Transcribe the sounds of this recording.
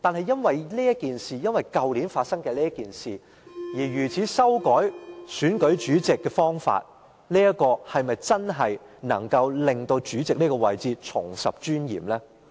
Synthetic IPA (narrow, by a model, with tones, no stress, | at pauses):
t̪aː˨nɦɐ˨jːɐ˥nwɐ˨jliː˥jɐ˥kiː˨nsiː˨jɐ˥nwɐ˨˩jkɐ˨˧wli˨˥nfaː˧t̚sɐ˥ŋkɛː˧liː˥ɐ˥kiː˨nsiː˨ | jiː˨˩ɥyː˨˩t͡sʰiː˨˥sɐ˥wkɔː˨˥jsyː˨˥nkɵ˨˥ɥt͡ʃyː˨˥t͡sɪ˨kːɛː˧fɔː˥ŋfa̰ː˧t̚ | liː˥jɐ˥kːɔː˧hɐ˨jmɐ˨jt͡sɐ˥nɦɐ˨j | nɐ̰˨˩ŋkɐ˧wlɪ˨ŋt̪o˧wt͡ʃyː˨˥t͡sɪ˨k̚niː˥kɔː˧wɐ˨jt͡siː˧t͡ʃʰʊ̰˨˩ŋsɐ̰˨p̚t͡ʃyː˥njḭː˨˩mlɛː˥